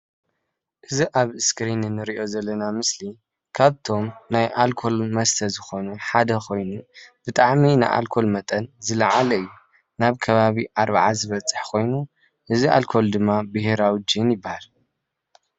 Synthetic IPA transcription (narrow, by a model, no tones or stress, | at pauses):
ʔɨziʔaβɨskɾinɨnːɨɾiʔo̞zɐlːɐnamɨsli | kʰaβt̪ʰo̞mnajʔalkʰo̞lmɐst̪ʰɐzɨxo̞nuħad̪ɐkʰo̞jnub̥ɨt̪ʼaʕminaʔa̰lkʰo̞lmɐt̪ʼɐnzɨlɐʕalɐɨjːu | naβkʰɐβaβiʔaɾβʕazɨβɐt͡sʼːɨ̥ħkʰo̞jnu | ʔɨziʔa̰lkʰo̞ld̪ɨmːabɨhɾawid͡ʒinjɪbːahal